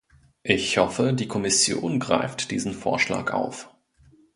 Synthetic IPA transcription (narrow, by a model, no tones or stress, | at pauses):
ʔɪçhɔfədiːkʰɔmɪsjo̰ːnɡʁa̰ɪftd̥ḭːzn̩foːɐʃla̰ːkʔa̰ʊf